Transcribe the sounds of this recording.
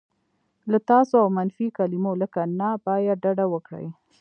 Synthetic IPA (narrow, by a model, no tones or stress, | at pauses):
lat̪ɑsoawmanfikalimoləkanabɑjad̚ɖaɖawəkɽə̰j